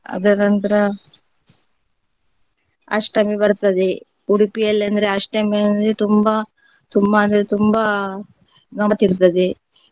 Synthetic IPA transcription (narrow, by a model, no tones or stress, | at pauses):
ɐ̰d̪ɐnɐnt̪ɐɾɐ | ɐ̰ʂʈɐmibɐɽt̪ɐd̪e | uɽipijɐlːɐnd̪ɐɾeɐʂʈɐmiɐnɾet̪umbɐ | t̪umbɐːnd̪ɐɾet̪umbɐ | ɡɐt̪iɾt̪ɐd̪e